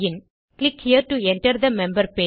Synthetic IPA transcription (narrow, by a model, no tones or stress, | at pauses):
ɪ̃n | klɪkhiəɾʈuɛ̃nʈəɾd̪əmɛ̃mbəɾpe